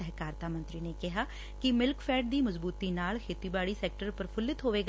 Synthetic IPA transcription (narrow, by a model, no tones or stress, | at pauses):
ɛɦkaːɾt̪aːmə̃nt̪ɾiːneːkɪɦaː | kɪmɪlkpʰɛːɖ̚d̪iːməzbuːt̪iːnaːlkʰeːt̪iːbaːɽiːsɛːk̚ʈəɾpəɾpʰʊlːɪt̪ɦoːʋeːɡ